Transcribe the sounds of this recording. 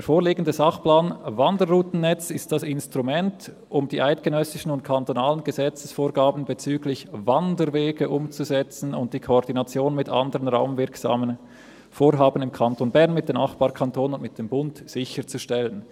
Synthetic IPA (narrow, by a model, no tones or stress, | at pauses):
d̥foːliːɡən̩dəzɑχplaːnvɑndəɾːuːtn̩ːɛt͡sɪst̚d̥asɪnstʁ̥umɛnt | ʔʊmd̥iːʔaɪt̚ɡ̥ənœsɪʃən̩ʊntkʰantonaːlənɡəzɛt͡səsfoːɾɡaːbn̩bet͡syːɡlɪçvandəɾveːɡəʔʊmt͡suzɛt͡sn̩ʊnt̚d̥iːkʰoɔʁdinɑt͡sjoːnənmɪtʔɑ̰ndəʁənʁaʊmvɪɐksa̰ːmən | foːɾɦaːbən̩ɪmkʰaɑntonbɛʁnmɪt̚d̥eːmnaχb̥ɑːkʰɑntʰoːnʊntmɪt̚d̥eːmbʊntz̥ɪçət͡suʃtɛlən